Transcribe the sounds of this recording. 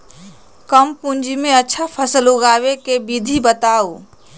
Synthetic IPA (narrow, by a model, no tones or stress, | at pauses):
kəmpũnd͡ʒimẽətːʃʰapʰəsəluɡaːwekebid̪ʱibət̪aːoː